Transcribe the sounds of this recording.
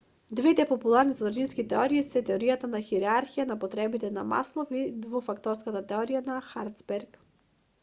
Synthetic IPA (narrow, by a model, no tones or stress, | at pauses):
d̪vɛt̪ɛpɔpulˠaɾnizɔd̪ɾaʒinskit̪ɛɔɾiːsɛt̪ɛɔɾijat̪anaxiɾɛaɾxijanapɔt̪ɾɛbit̪ɛna̰ma̰slˠɔfid̪vufakt̪ɔɾskat̪at̪ɛɔɾijanaxaɾt̪sbɛɾk